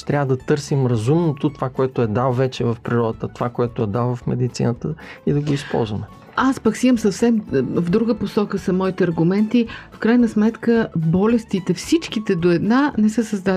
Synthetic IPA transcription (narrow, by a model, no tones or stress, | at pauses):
t̪ɾʲavəd̪ɐt̪ɤɾsimɾɐzumnot̪ot̪ovakoɛt̪oɛd̪alˠvɛt͡ʃɛvɐfpɾiɾɔd̪ət̪ət̪ovakoɛt̪oɛd̪alˠvɐfmɛ̰d̪it̪sḭnət̪əid̪ɐɡoispɔ̰lˠzvəmɛ | aspɐksiəmsɐfsɛmvd̪ɾuɡəposɔkəsɐmɔit̪ɛɐɾɡʊmɛnt̪ifkɾajnəsmɛt̪kəbɔlɛst̪it̪ɛfsit͡ʃk̟it̪ɛd̪oɛd̪nanɛsəsɐzd̪a